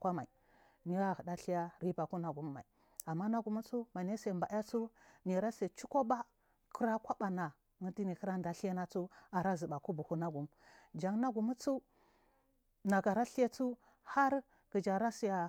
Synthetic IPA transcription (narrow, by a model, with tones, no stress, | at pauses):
kʷa˦ma˨i˨ | ni˦ɣa˦hə˨da˦ɬi˦ja˦ɾi˦ba˨ku˦na˨ɡu˨mː˦a˨i˨ | a˨mːa˦na˦ɡu˨mu˦t͡su˦ma˨ne˦se˨mba˨˦a˦t͡su˦ni˨ɾa˦se˨t͡ʃu˦ko˦ba˦ | kə˦ɾa˦kʷa˦ɓa˨na˨ | ŋu˦ti˦ni˨kə˦ɾa˦nda˨ɬi˦ja˦na˦t͡su˦a˨ɾa˦zə˨ba˨ku˦bu˨hu˦na˦ɡu˨˦m | d͡ʒa˨ŋna˦ɡu˨mu˦t͡su˦ | na˨ɡa˨ɾa˦ɬi˦je˦t͡su˦ | ha˦ɾ | ɡ̥i˨d͡ʒa˨ɾa˦si˦ja˨